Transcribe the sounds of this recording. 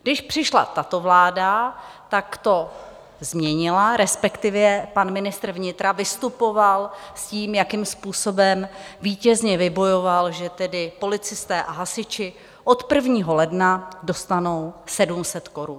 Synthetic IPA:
ɡdɪʃpr̝̥ɪʃla̰t̪at̪o̞vlaːdat̪akt̪o̞ | zmɲɛɲɪlaɾɛspɛkt̪ɪvjɛpanmɪnɪst̪r̩vɲɪt̪ɾavɪst̪upo̞valsciːmjakimspuːso̞bɛmviːcɛzɲɛvɪbo̞jo̞valʒɛt̪ɛdɪpo̞lɪt͡sɪst̪ɛːʔaɦasɪt͡ʃɪ | ʔo̞t̪pr̩vɲiːɦo̞lɛdnado̞st̪ano̞wsɛdumsɛt̪ko̞ɾun

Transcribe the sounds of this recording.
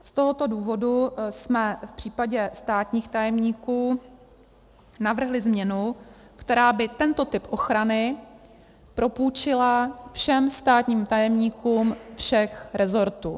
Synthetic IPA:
st̪o̞ɦot̪o̞duːvo̞dusmɛfpr̝̥iːpaɟɛst̪aːt̪ɲiːxt̪ajɛmɲiːkuː | navr̩ɦlɪzmɲɛnu | kt̪ɛɾaːbɪt̪ɛnt̪o̞t̪ɪpʔo̞xɾanɪ | pɾo̞puːt͡ʃɪlafʃɛmst̪aːt̪ɲiːmt̪ajɛmɲiːkuːmfʃɛxɾɛzo̞ɾt̪ṵː

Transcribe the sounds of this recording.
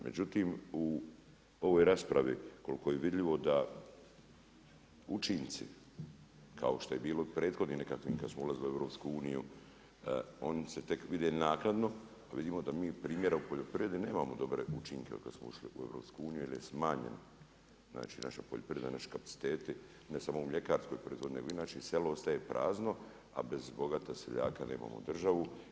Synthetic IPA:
mʔe̞̰d͡ʑut̪iːmu | o̞ʋoːjɾaːspɾaʋḭkolikojeʋid̪ʎiʋo̞d̪a | ut͡ʃint̪sḭ | kʰa̰oʃt̪oje̞biːlopɾe̞ːd̪xo̞d̪ninekakʋḭːmkad̪smoulaziliue̞ʋɾo̞ːpskuuːnijṵ | o̞nset̪e̞kʋid̪enaːknad̪no̞ | aʋid̪iːmod̪amiːpɾiːmje̞ɾaupo̞ʎopɾiʋje̞d̪ine̞ːmamo̞d̪o̞bɾeut͡ʃiŋkeo̰ka̰d̪smouʃliueʋɾo̞ːpskuuːnijuilijesmaːɲḛn | zna̰ːt͡ʃiːna̰ʃapo̰ʎʲopɾijed̪nanaʃi̥kapḁi̥t̪eːt̪i | nesamoumʎe̞kaːɾskojpɾed̪hoineɡoinaːt͡ʃise̞loost̪aje̞pɾʔa̰ːzno̞ | a̰be̞zbo̞ɡat̪asḛʎa̰ːkaneːma̰mo̰d̪r̩ʒaʋu

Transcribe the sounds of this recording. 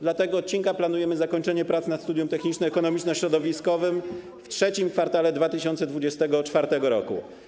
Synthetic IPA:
d̪lat̪ɛɡɔːt̪̚t͡ɕːiŋkaplanujɛmɘzakɔɲt͡ʂɛɲɛpɾat̪snat̪st̪ud̪jumt̪ɛxɲit͡ʂnɛɛkɔnɔmʲit͡ʂnɔɕɾɔd̪ɔvʲiskɔvɘm | ftʂɛt͡ɕimkfaɾt̪alɛd̪vat̪ɘɕɔnt̪sɛd̪vud͡ʑɛst̪ɛɡɔt͡ʂfaɾt̪ɛɡɔɾɔ̰kṵ

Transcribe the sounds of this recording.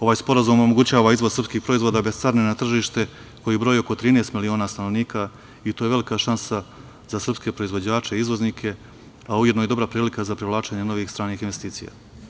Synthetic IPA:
o̞ʋaːjspo̞ɾazumomo̞ɡut͡ɕaːʋaizʋo̞zr̩pskiːxpɾo̞izʋod̪abest̪saɾnenat̪r̩ʒiːʃt̪e̞ | ko̞jibɾo̞jio̞ko̞t̪ɾiːnest̪milio̞ːnaːst̪ano̞ʋniːka | it̪oje̞ʋe̞likaʃansa | z̥asr̩pske̞pɾo̞izʋo̞d͡ʑaːt͡ʃeiizʋo̞znikʰe̞ | aujed̪nojed̪o̞bɾapɾiːlikazapɾiʋlˠaːt͡ʃeɲeno̞ʋiːxst̪ɾaːniːxinʋe̞st̪iːt̪sḭja̰ː

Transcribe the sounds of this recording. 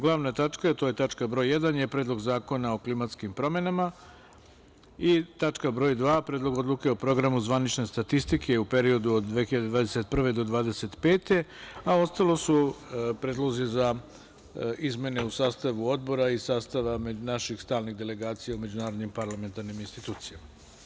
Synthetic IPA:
ɡlˠaʋnat̪at͡ʂkaet̪o̞je̞t̪at͡ʃkabɾo̞ːjːed̪anje̞pɾe̞ːd̪lˠo̞ɡzaːko̞nao̞klimat̪skimpɾo̞me̞nama | it̪at͡ʂkabɾo̞ːjd̪ʋaːpɾeːd̪lˠo̞ɡo̞d̪lˠuke̞opɾo̞ɡɾamuzʋanit͡ʃne̞st̪at̪ist̪ikʰeupe̞ɾio̞d̪uod̪d̪ʋe̞xiʎad̪ed̪ʋaːd̪eset̪̚pr̩ʋe̞d̪o̞d̪ʋaːd̪ese̞t̪pe̞ːt̪e̞ao̞st̪alo̞supɾed̪lˠo̞ziza | izmʲje̞ne̞usaːst̪aʋuo̞d̪̚bo̞ɾaisaːst̪aʋamenaʃixst̪aːlniɣd̪e̞le̞ɡaːt̪sijaume̞d͡ʑunaːɾo̞d̪nimpaɾlˠame̞nt̪aɾniminst̪it̪uːt̪sijama

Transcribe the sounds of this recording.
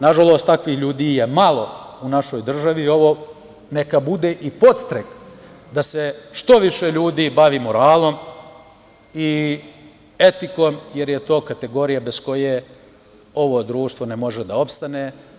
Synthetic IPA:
naʒalˠo̞ːst̪akʋiːxʎuːd̪iːjemalˠo̞unaʃo̞jd̪r̩ʒaʋio̞ʋo̞ | nekabud̪eʔipo̞t̪st̪ɾek | d̪aseʃt̪o̞ʋiʃeʎuːd̪iːbaʋimoɾaːlˠo̞m | i | e̞t̪iko̞ːmje̞ɾjet̪o̞ːkat̪e̞ɡo̞ɾijabe̞sko̞je | o̞ʋo̞d̪ɾuːʃt̪ʋo̞nemo̞ʒed̪ao̞pst̪aneː

